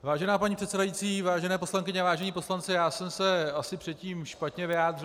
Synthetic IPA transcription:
vaːʒɛnaːpaɲiːpr̥ɛt̪sɛdajit͡siːvaːʒɛnɛːposlaŋkɪɲɛvaːʒɛɲiːpo̞slant͡sɪjaːsɛmsɛasɪpr̥ɛt̪ciːmʃpat̪ɲɛvɪjaːd̪rɪ

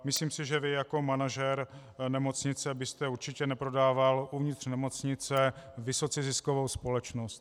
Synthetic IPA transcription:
mɪsliːmsɪʒɛvɪjako̞manaʒɛɾ | nɛmo̞t͡sɲɪt͡sɛbɪst̪ɛuɾt͡ʃɪcɛnɛpɾo̞daːvalʔuvɲɪt̪r̥nɛmo̞t͡sɲɪt͡sɛvɪso̞t͡sɪzɪskovowspo̞lɛt͡ʃnost̪

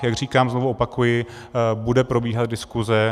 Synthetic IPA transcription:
jaɡr̝iːkaːmznovuopakujɪ | budɛpɾo̞biːɦat̪̚dɪskuzɛ

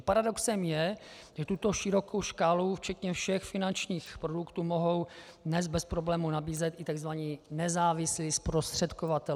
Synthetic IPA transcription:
paɾado̞ksɛmjɛ | ʒɛt̪ut̪o̞ʃɪɾo̞ko̞wʃkaːluft͡ʃɛt̪ɲɛfʃɛxfɪnant͡ʃɲiːxpɾo̞dukt̪uːmo̞ɦo̞w | dnɛzbɛspɾoblɛːmunabiːzɛt̪ʔɪt̪aɡzvaɲinɛzaːvɪslispɾost̪r̝̥ɛt̪kovat̪ɛ

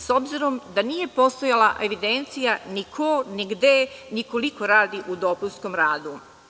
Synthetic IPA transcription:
so̞bziɾo̞md̪anije̞po̞st̪o̞jalˠaʔe̞ʋid̪e̞nt̪sijanikʰoniɡd̪eniko̞liko̞ɾaːd̪iʔud̪opunsko̞mɾaːd̪u

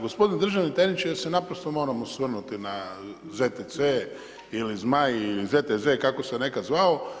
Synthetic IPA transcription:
ɡospo̞d̪ind̪ɾr̩ʒaʋnit̪anit͡ʃisenapɾost̪omo̞ːɾamosʋr̩nut̪ina | zet̪ese | ilizmajilizet̪ezekako̞sene̞kazʋao

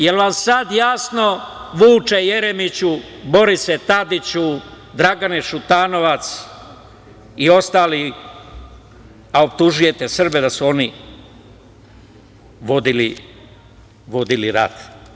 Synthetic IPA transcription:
jelʋamsad̪jasno̞ʋuːt͡ʃejeɾemit͡ɕu | bo̞ɾiset̪ad̪it͡ɕu | d̪ɾaɡaneʃut̪aːno̞ʋat̪s | io̞st̪aːli | aop̚t̪uʒuje̞t̪esr̩bed̪asuo̞ni | ʋo̞d̪ili | ʋo̞d̪iliɾa̰d̪̥

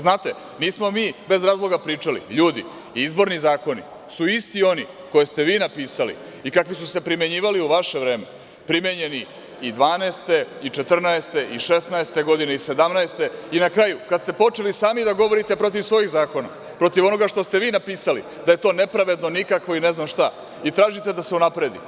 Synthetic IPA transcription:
znaːt̪e | niːsmo̞miːbe̞zɾaːzlˠo̞ɡapɾiːt͡ʂalḭʎuːd̪ḭ | izbo̞ɾnizaːko̞nḭ | suist̪io̞ni | ko̞jest̪e̞ʋiːnapiːsalḭ | ikakʋisuse̞pɾime̞ɲiːʋaliuʋaʃe̞ʋɾe̞ːme | pɾimeɲe̞ni | id̪ʋaːnɛːst̪e̞it͡ʃe̞t̪r̩naest̪e̞ʔiʃe̞snaest̪e̞ɡo̞d̪ineise̞d̪amnaest̪e̞inakɾajukad̪st̪e̞po̞t͡ʃe̞lisaːmid̪aɡo̞ʋo̞ɾit̪e̞pɾo̞t̪̬iʋsʋo̞jiɣzaːko̞na̰ | pɾo̞t̪iʋo̞no̞ɡaʃt̪o̞st̪eʋiːnapiːsalḭ | d̪aje̞t̪o̞ːne̞pɾaʋe̞d̪no̞nikakʋo̞ineznamʃt̪a | it̪ɾaːʒit̪e̞d̪ase̞unapɾe̞d̪ḭ

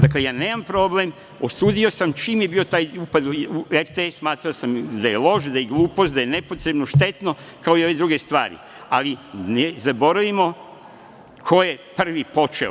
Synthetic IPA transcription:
d̪aklejaːne̞ːmampɾo̞ble̞m | osuːd̪io̞samt͡ʃiːmjebiːo̞t̪aːjuːpad̪ueɾt̪eesmaːt̪ɾaosamd̪ajelˠo̞ʃd̪ajeɡluːpo̞st̪d̪ajene̞pot̪ɾebnoʃt̪e̞t̪no̞ | kao̞io̞ʋe̞d̪ɾuɡe̞st̪ʋaːɾḭ | alinezabo̞ɾaʋimo̞ | kʰo̞jepr̩ʋipo̞t͡ʃḛ

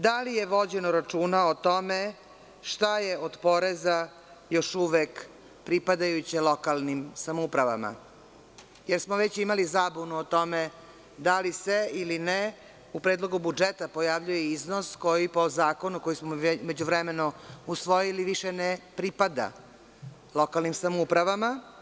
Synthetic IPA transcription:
d̪alijeʋo̞d͡ʑenoɾat͡ʂuːnaot̪o̞me | ʃt̪ajeod̪po̞ɾeza | jo̞ʃuʋek | pɾipad̪ajut͡ɕelˠo̞kalˠnimsamoupɾaʋa̰ma̰ | jeɾsmoʋet͡ɕimalizaːbunuot̪o̞me | d̪aliseiline | upɾeːd̪lˠo̞ɡubud͡ʒet̪apo̞jaʋʎujeizno̞sko̞jipo̞zaːko̞nuko̞jismome̞d͡ʑuʋɾemenousʋo̞jiliʋiʃenepɾipad̪a̰ | lˠo̞kalnimsamoupɾaʋama

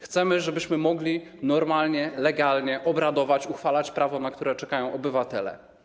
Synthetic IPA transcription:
xt̪sɛmɘʐɛbɘɕmɘmɔɡlʲinɔɾmalɲɛlɛɡalɲɛʔɔbɾad̪ɔvat͡ɕuxfalat͡ɕpɾavɔnakt̪uɾɛt͡ʂɛkajɔ̃w̃ʔɔbɘvat̪ɛlɛ̰

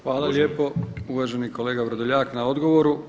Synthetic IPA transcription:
xʋaːlaljeːpo̞uʋaːʒeniko̞le̞ːɡaʋɾod̪oʎaːknao̞d̪ɡo̞ʋoɾu

